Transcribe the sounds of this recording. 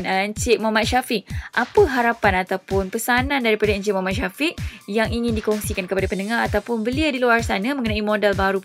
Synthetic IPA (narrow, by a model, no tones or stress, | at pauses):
nəəɲt͡ʃɪʔmuamat̪̚ʃafiʔʔapəɦaɾapanat̪awpʊnpəsanãndaɾipadaəɲt͡ʃɪtʔmɔɦamaʔʃafiʔjaŋiŋɪ̃ndikɔŋsikankəpadapənəŋahat̪awpʊnbəliadiluarsanãmə̃ŋkənãimõdɛlbaɾup